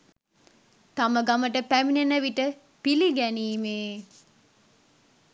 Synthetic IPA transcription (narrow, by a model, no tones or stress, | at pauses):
t̪aməɡaməʈəpæminenəʋiʈə | piliɡæniːmeː